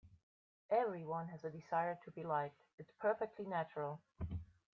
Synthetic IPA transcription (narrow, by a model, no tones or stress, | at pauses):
ʔɛvɹiwʌ̃nɨzɨdɨzaɪə˞tʰɨbilaɪk̚t | ɨtspʰɜ˞fɛk̚tʰˡlinæt͡ʃəɹl̩ˠ